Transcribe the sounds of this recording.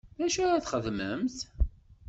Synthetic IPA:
ðæʃuɾaθχəðməmθ

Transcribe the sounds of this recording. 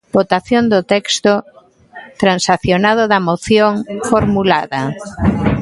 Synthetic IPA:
b̥ot̪aθjond̪ʊt̪ɛkst̪o | t̪ɾansaθjonað̞ʊðɐmoθjoŋfoɾmulaðɐ

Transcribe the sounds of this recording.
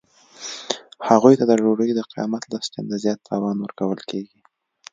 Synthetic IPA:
haɣujt̪ad̪əʒoɾəjd̪əqɪjɑ̰mat̪lɑska̰nd̪əzjɑt̪ːɑwɑnwəɾkawəlkeɡi

